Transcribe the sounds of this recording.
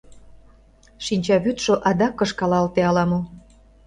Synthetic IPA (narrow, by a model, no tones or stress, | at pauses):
ʃinʲt͡ɕɑβyt̪ʃoʔɑd̪ɑkːɤ̆ʃkɑlɑlt̪eɑlɑmɤ